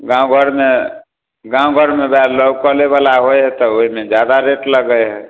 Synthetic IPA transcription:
ɡãũɡʱəɾme | ɡãuɡʱəɾmebaɾləbkəleβalaɦojɦɛt̪ɔoɦimed͡ʒjad̪aɾeʈləɡəjɦɛ

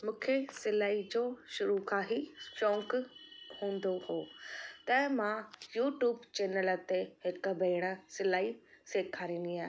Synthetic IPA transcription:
mũːkʰesɪlaːid͡ʑoːʃʊɾukaːɦifõːŋkhũːn̆d̪ohoːt̪ɛ̃ːmãjuːʈjuːbt͡ɕeːnələ̆t̪eɦɪkəbɐːɽ̃ə̆sɪlaːiseːkʰaːɾĩːnd̪iaːɦ

